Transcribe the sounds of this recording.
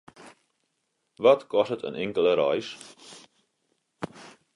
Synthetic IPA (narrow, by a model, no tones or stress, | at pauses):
vɐtkɔsətə̰nʔɪŋkələɾœ̰js